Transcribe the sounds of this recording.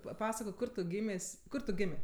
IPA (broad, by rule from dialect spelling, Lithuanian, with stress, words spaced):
pɐˈpɑːsɐkoːk ˈkʊr tʊ ˈɡʲiːmʲeːsʲ ˈkʊr tʊ ˈɡʲɪmʲeː